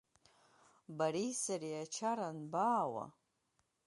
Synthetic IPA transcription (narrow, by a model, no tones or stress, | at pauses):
baɾijsaɾiat͡ʃʰaɾanbaːwa̰